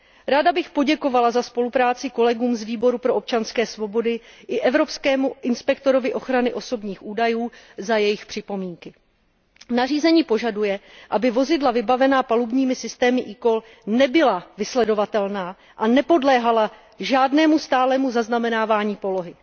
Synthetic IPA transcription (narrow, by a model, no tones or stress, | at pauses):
ɾaːdabɪxpo̞ɟɛko̞valazaspo̞lupɾaːt͡sɪko̞lɛɡuːmzviːbo̞ɾupɾo̞ʔop̚t͡ʃanskɛːsvo̞bo̞dɪʔɪʔɛvɾo̞pskɛːmuʔɪnspɛkt̪o̞ɾo̞vɪʔo̞xɾanɪʔo̞so̞bɲiːxʔuːdajuːzajɛjɪxpr̝̥ɪpo̞miːŋkɪ | nariːzɛɲiːpo̞ʒadujɛʔabɪvo̞zɪdlavɪbavɛnaːpalubɲiːmɪsɪst̪ɛːmɪʔiko̞l | nɛbɪlavɪslɛdo̞vat̪ɛlnaː | ʔanɛpo̞dlɛːɦala | ʒaːdnɛːmust̪aːlɛːmuzaznamɛnaːvaːɲiːpo̞lo̞ɦɪ